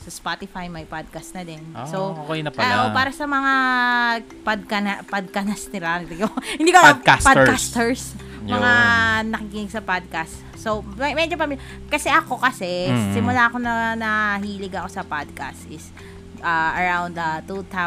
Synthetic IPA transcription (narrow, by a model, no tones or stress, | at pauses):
sɐspat̪ɪfajmɐjpad̪̚kɐst̪nɐd̪ɛnsowkojnɐpɐʔopaːɾɐsɐmɐŋa | pad̪̚kɐnɐpɐd̪̚kɐnɐsnɪlad̪ɪɡohɪ̃nd̪ikokaspadkast̪ɛɹs | mɐŋanɐkikɪnɪɡ̚sɐpad̪̚kast̪ | somɛd͡ʒop̬ɐmiːlʲa | kɐsɛʔɐko̞kɐsɛsɪmʊlako̞nɐnɐɦiːlɪɡɐko̞sɐpad̪̚kɐst̪ʔɪs | ʔɐʔɐɹawnd̪ɐt̪ut̪a